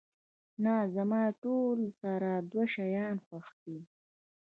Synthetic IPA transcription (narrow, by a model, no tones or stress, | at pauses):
nazamɑːʈolsaɾad̪waʃajɑːnxwaxd̪i